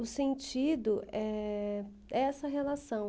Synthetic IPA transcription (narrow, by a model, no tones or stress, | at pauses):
ʊsẽnt͡ʃid̪ʊʔɛ | ɛɛsɐɦelasɐ̃w̃